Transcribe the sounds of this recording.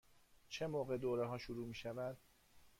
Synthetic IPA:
t͡ʃʰe̞moːɣe̞d̪oːɾeɦɒːʃuɾuːmiːʃævæd̪̥

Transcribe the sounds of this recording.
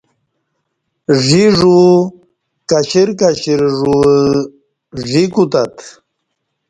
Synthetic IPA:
ʐiʐu | kaɕiɾkaɕiɾʐu | ʐikut̪at̪

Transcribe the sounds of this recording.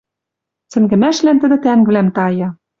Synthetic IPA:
t͡sɘ̆ŋɡɘ̆mæʃlænt̪ɘ̆d̪ɘ̆t̪æŋɡɘ̆læmt̪ɑjɑ̆

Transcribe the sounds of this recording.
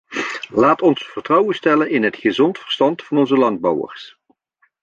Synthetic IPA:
laːtɔnsfərtrʌwəstɛlənɪnɦətχəzɔntfəɹstɑntfɑnɔnzəlɑnd̚bɑwə̰ɹs

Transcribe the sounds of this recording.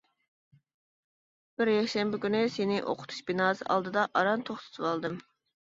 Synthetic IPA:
b̥ɪɾjɛkʲʃɛmbɪkʲynɪsenɪʔo̰qʰʊ̥t̪ʰu̥ʃbinɑːzɨ̰ʔɑ̰lˠd̪ɨd̪ɑʔɑɾɑnt̪ʰoχt̪ʰɨ̥t̪ʰɨwɑlˠd̪ɨm

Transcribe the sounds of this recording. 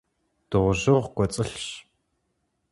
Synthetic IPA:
d̥ɨʁʷʑɨʁkʷɔt͡sʼɨɬɕ

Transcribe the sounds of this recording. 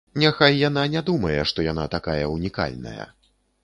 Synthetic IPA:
nʲɛxajːananʲɛd̪umɐjɛʂt̪ɔjanat̪akajɐunʲika̰lʲnɐ̰jɐ̰

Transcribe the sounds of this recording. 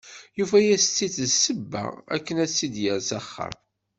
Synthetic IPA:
jufæjæst͡sːiθsəbːæ̰æ̰kːənæsːid̪jəɾsæχːə̰m

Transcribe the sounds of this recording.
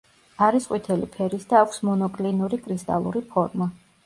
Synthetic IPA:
aɾisqʼwit̪ʰɛlipʰɛɾisd̪aːkʷʰsmɔnɔkʼlinuɾikʼɾist̪ʼa̰lˠṵɾipʰɔɾma

